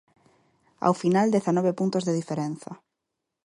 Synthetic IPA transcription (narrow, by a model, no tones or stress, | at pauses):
a̰wfinald̪eθanɔβepunt̪ozðeðifeɾenθa